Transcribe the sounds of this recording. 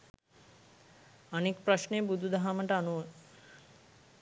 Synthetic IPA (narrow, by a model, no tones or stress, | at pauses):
anikpɾaʃnebud̪ʱud̪aɦaməʈəanuʋə